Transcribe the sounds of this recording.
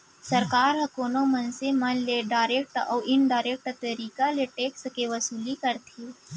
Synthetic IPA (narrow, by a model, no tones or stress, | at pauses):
sɐɾkaːɾɦɐkoːnõmɐnsemɐnleɖaːɾeːk̚ʈɔːʔɪnɖaːɾeːk̚ʈt̪ɐɾiːkaleʈeːkskeʋɐsuːlikɐɾt̪ʰi